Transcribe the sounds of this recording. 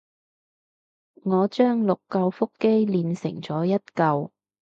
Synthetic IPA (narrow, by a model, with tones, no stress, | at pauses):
ŋɔː˨˧t͡ʃœː˥ŋlʊ˨kːɐ˧wfʊ˥kːe˥jliː˨˧nsɪ̰˨˩ŋt͡sɔː˨˥jɐ˥t̚kɐ˧w